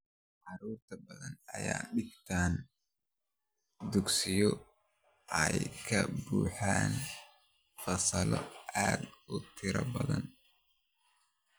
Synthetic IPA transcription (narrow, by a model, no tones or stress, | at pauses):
ʕɑɾuːrt̪ʰɐbɐðɐnɐjaːɖɪbt̪ʰaːn | d̪ʊɡsɪjɔ | ʔɛjkʰɐbuːħaːn | fɐsɐlɔʔaːd̪ʊt̪ʰɪɾɐ̰bɐðɐ̰n